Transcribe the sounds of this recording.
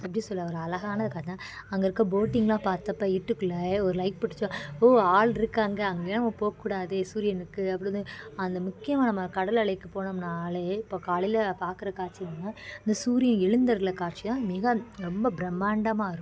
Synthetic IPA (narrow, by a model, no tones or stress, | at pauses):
ɐpːɽisɔlːɐʋɐɾɯɐlɐɣaːnɐðɯkaːʈnãːɐŋɡɐɪɾɯkːɐ̃boːʈːɪŋɡlãːpaːɾt̪ɐpːɐɪʈːɯkːɯɭːɐɔɾɯlɐɪk̚pɐʈːɪ̥t͡ʃːõoaːɭɪɾɯkːaːŋɡɐɐŋɡɐːnɐmːɐpoːkːuːɽaːðɯsuːɾɪjɐnɯkːɯɐpːɯɽɯnd̪ɯɐnd̪ɐmʊkːɪjɐmaːnɐmɐkɐɽɐlɐɭɐɪkːɯpoːnɐmnaːleɪpːoːkaːɭɪlɐpaːɾkɯɾɐkaːʈt͡ʃinɐnːaɪnd̪ɐsuːɾɪjɐnɪɻɯnd̪ɐɾlɐkaːɾt͡ʃːit̪ãːmɪɣɐɾɔmbɐbɪɾɛmːaːɳɖɐmaːɪɾɯ